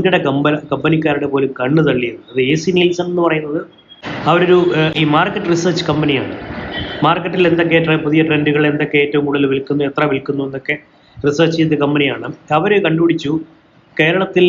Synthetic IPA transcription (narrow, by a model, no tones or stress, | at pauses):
ɡuɽekɐmkɐmbɐnikʲːaːɾuɽe̞po̞ːlukɐɳːut̪ɐɭːijunːɐðɨeːsiniɐlsɐnenːupɐrɐjunːɐðɨ | ɐʋɐɾo̞ɾuiːmaːrkːɐʈːɨrisɐːrt͡ɕɨ̥kɐmbɐnija̰ːɳɨmaːrkːɐʈːile̞nd̪ok̬ːeʈrepuðijɐʈre̞nduɣɐɭe̞nd̪o̞kːe̞eːtːɐʋumuɽɐlʋilkːunːue̞t̪rɐʋilkːunːuenːokːe̞ | risɐːrt͡ɕːit̪ːɨkɐmbɐnijaːɳɨɐʋɐɾekɐɳɖupiɽit͡ɕːu | keːɾɐɳɐt̪ːil